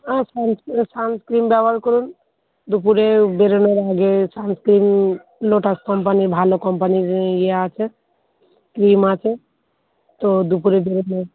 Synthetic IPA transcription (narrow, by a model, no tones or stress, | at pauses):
asanssanskɾimbjabəlkɔɾun | d̪upuɾebeɾenoɾaɡesanskɾim | loʈaskəmpənibʱalokɔmpənid͡ʒjeat͡ʃʰɛ | kɾimat͡ʃʰɛ | t̪od̪upuɾebeɾeneɾ